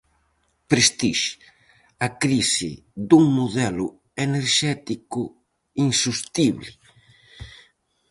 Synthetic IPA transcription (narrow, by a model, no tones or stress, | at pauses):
pɾest̪iʃ | akɾisɪ̰ | d̪uŋmoðɛlʊ | eneɾʃɛt̪ikʊ | iŋsust̪iβlɪ